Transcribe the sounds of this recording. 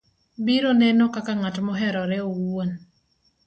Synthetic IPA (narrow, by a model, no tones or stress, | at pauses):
biɾɔnɛnɔkakaŋatmɔɦɛɾɔɾɛowon